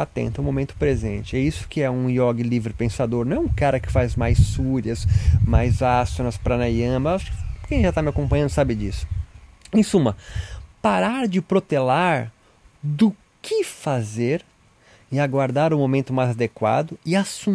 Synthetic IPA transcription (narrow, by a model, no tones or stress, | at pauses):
at̪ḛ̃nt̪ɐũmomẽnt̪ʊ̥pɾezḛ̃nt͡ʃɪɛisʊ̥kɪɛũiɔɡlivɾɪpẽsad̪oɾnɐ̃ɛũkaɾɐkɪ̥fajzmajsːuɾɐsmajzasonɐspɾɐnajɐ̃maʃʊ̥kɪkẽj̃ʒat̪amɪakõpɐ̃ɲɐ̃nd̪ʊsabɪd͡ʒisʊ̥ẽj̃sũmɐpaɾaɾd͡ʒɪpɾot̪elaɾ | d̪ʊ | kʰɪfazeɾ | ɪaɡwaɾd̪aɾʊmomẽnt̪ʊmajzad̪ekwa̰d̪ʊɪasu